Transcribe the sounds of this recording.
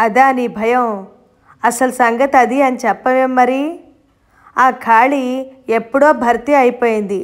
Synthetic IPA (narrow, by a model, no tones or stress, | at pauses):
ɐd̪aːnibʱɐjɐw | ɐsɐlusɐŋɡɐt̪ɐd̪iɐnit͡ʃɛpːɐʋemːɐɾi | aːkʰaːɭiepːuɽoːbʱɐɾt̪iɐjpo̞ːjind̪i